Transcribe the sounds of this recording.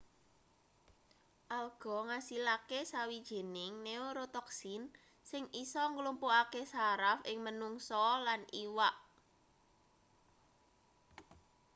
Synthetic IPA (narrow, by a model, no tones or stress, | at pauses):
ʔalɡ̥ɔ̤ŋasilakesawid̥ʒ̥e̤nɪŋneoɾot̪ɔksɪn | sɪŋʔisɔŋɡlumpoakesaɾafɪŋmənuŋsɔlanʔiwaʔ